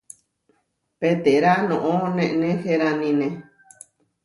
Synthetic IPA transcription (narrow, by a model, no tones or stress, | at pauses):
pet̪eɾanõʔõnẽʔnẽheɾanĩnẽ